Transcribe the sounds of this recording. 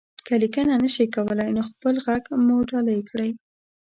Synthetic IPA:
kəlikənanəʃikawəlajnoxpəlɣaɡmoɖɑləjkɽəj

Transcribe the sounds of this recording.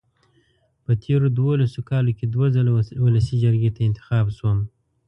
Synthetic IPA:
pət̪ʰeɾod̪wolasokɑlokʲed̪wazəlawʊləsid͡ʒaɾɡet̪aɪnt̪ɪ̥xɑːbswəm

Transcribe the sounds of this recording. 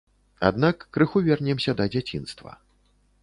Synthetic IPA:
a̰d̪nakːɾɨxuvʲɛrnʲɛmsʲɐd̪ɐd͡zʲat͡sʲin̪st̪vɐ̰

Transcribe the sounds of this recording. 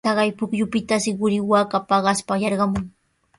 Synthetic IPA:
ɑɢɑjpʊkjʊpɪt̪asɪɢʊɾɪwakapɑɢɑspajɑɾɢɑmʊŋ

